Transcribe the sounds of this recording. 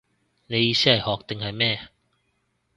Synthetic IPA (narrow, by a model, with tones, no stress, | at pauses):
le˨˧i˧ɕi˥a˨˩jhɔ˨˦k̚t̪ɪ˨ŋha˨˩jmɛ̃ː˥˧˨